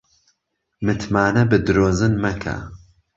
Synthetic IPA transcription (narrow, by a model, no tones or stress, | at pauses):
mɨt̪ʰmaːnɐbɨd̪ɨɾoːzɨnmɐkʰɐ̰